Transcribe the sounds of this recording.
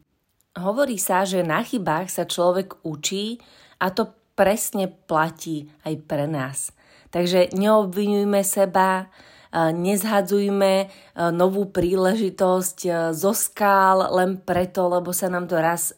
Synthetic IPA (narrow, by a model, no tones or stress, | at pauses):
ɦɔʋɔɾiːsaʒɛnaxibaːxsat͡ʃlɔʋɛɡut͡ʃiː | ʔat̪ɔ | pɾɛsɲɛplaciːajpɾɛnaːs | t̪aɡʒɛɲɛɔbʋiɲujmɛsɛba | ɲɛzɦad͡zujmɛ | nɔʋuːpɾiːlɛʒit̪ɔsczɔskaːllɛnpɾɛt̪ɔlɛbɔsanaːmt̪ɔɾas